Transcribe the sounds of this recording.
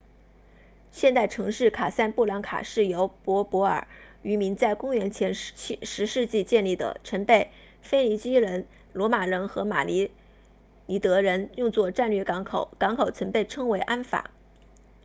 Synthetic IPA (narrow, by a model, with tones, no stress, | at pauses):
ɕjɛ˥˧nt̪a˥˩ɪʈ͡ʂʰɤ˧˥ŋʂɻ̩˥˩kʰa˨˩sa˥npu˥˩ljɑ˧˥ŋkʰa̰˨˩ʂɻ̩˥˩jo˧˥ʊpwɔ˧˥pwɔ˧˥ə̰˞˨˩˦y˧˥mi˧˥nt͡sa˥˩ɪkʊ˥ŋɥɛ˧˥nt͡ɕʰjɛ˧˥nt͡ɕʰʂɻ̩˧˥ʂɻ̩˥˧t͡ɕi˥˧t͡ɕjɛ˥˧nli˥˩d̪ə̰˩ʈ͡ʂʰə˧˥npe˥˩ɪ | fe˥ɪli˧˥t͡ɕi˥ɻə˧˥n | lwɔ˧˥ma˨˩ɻə˧˥nxɤ˧˥ma̰˨˩li˧˥ | ni˧˥˩t̪ɤ˧˥ɻə˧˥njʊ˥˧ŋt͡swɔ˥˧ʈ͡ʂa˥˧nlɛ˥˩kɑ˧˥ŋkʰo˨˩˦ʊkɑ˧˥ŋkʰo˨˩ʊt͡sʰwə˧˥npe˥˩ɪʈ͡ʂʰɤ˥ŋwe˧˥ɪʔa˥nfa̰˨˩˦